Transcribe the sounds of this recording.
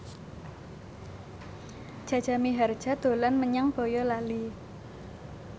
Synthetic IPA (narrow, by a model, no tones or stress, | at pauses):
d̥ʒ̥a̤dʒ̥a̤miɦard̥ʒ̥a̤d̪̥o̤lanməɲaŋb̥ɔ̤jɔlali